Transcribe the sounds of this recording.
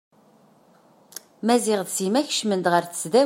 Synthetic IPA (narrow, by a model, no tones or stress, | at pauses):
mæziʁðsimæçʃmənd̪ʁəɾθə̥st͡sðæ